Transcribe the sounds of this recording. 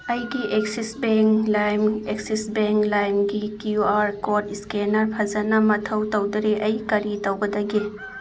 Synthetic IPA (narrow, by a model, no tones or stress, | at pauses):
ɐjɡiʔeksisbeŋklajmeksisbeŋklajmɡikjuaɾkotiskenɐɾpʰɐzɐnɐmɐtʰɐwtɐwdɐɾeʔɐjkɐɾitɐwɡɐd̪ɐɡi